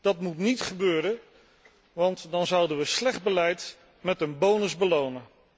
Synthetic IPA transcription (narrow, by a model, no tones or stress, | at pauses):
d̥ɑtmutnitχəbøːɾən | ʋɑntdɑnzʌwdənʋəslɛχd̚bəlɛjt | mɛtənbownəzbəlownən